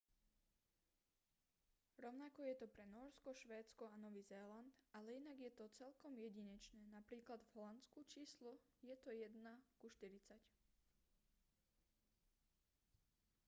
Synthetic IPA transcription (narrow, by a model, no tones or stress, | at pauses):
ɾɔʊnakɔjɛt̪ɔpɾɛnɔːɾskɔʃʋɛːt͡skɔanɔʋiːzɛːlant̪alɛinaɡjɛt̪ɔt͡sɛlkɔmjɛɟiɲɛt͡ʃnɛːnapɾiːklad̪vɦɔlant͡skut͡ʃiːslɔjɛt̪ɔjɛd̪nakuʃt̪iɾit͡sac